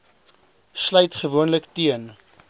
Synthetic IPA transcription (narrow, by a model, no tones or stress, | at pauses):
slœjtχəvuənləktiən